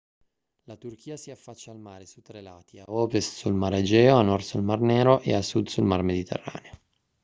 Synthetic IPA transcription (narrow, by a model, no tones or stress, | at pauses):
lat̪urkʰiːasiafːat͡ʃːaːlmaːɾesut̪ːɾelaːt̪iaɔːpessulmaɾed͡ʒɛːoanːɔrsulmarnɛːɾoʔḛasːud̪sulmarmed̪it̪ʰḛrːa̰ːneo